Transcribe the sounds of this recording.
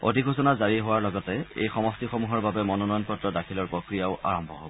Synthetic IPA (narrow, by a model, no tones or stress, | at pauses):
o̰dʱiɡʱusɔnazaɹiɦowaɹlɔɡɔtɛḛjxɔmɔstixɔmuɦɔɹbabɛmɔnɔnɔjɔnpɔtɹɔdakʰilɔɹpɹokɹijaʊʔa̰ɹɔmbʱɔ̰ɦo̰bɔ